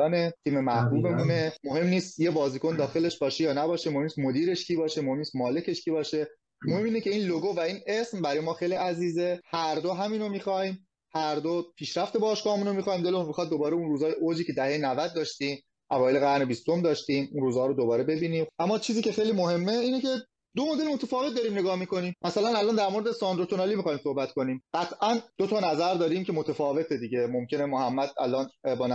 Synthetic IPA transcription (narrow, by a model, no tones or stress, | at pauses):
ɒːnet̪ʰiːmemæbuːbemunemoɦe̞mniːst̪jebɒːziːkʰo̞nd̪ɒːxe̞le̞ʃbɒːʃejɒːnæbɒːʃemohemnist̪mod̪iːɾe̞ʃcʰiːbɒːʃemohemnist̪mɒːle̞cʰe̞ʃcʰiːbɒːʃe̞ | mohe̞mːiːnece̞iːnloɡovæiːnesmbæɾɒːjmɒːxejliæziːzehæɾd̪oɦæmiːnomiːxɒːiːm | hæɾd̪opʰiːʃɾæft̪ebɒːʃkɒːhmuːnomixɒːiːmd̪e̞leunmixɒːd̪̚d̪o̞bɒːɾeunruːzɒːjeʔod͡ʒiːcʰe̞d̪æhe̞jenævæd̪̚ːɒːʃt̪iːm | ʔævɒːjeleɣæɾne̞bist̪o̞md̪ɒːʃt̪iːmunɾuːzhɒːɾod̪obɒːɾe̞be̞biːniːmʔæmːɒːt͡ʃʰiːziːce̞xejliːmoɦe̞mːeiːnece̞ | d̪omod̪e̞lmot̪ʰefɒːvet̪̚d̪ɒːɾiːmne̞ɡɒːhmiko̞niːmmæsælænælɒːnd̪æɾmo̞ɾed̪esɒnd̪ɾot̪ʰonɑliːmixɒːimsohbæt̪ko̞niːmɢ̥æt̪ʰʔænd̪ot̪ʰɒːnæzæɾd̪ɒːɾiːmcʰe̞mot̪ʰefɒːve̞t̪ʰed̪iɟe̞momcʰe̞nemohæmːæd̪̚æ̰lɒːnbɒːn